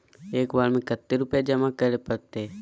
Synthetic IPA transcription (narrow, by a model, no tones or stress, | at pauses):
eːkʋaːlmẽkət̪ːeɾʊpjed͡ʒɐmakəɾepəɽt̪e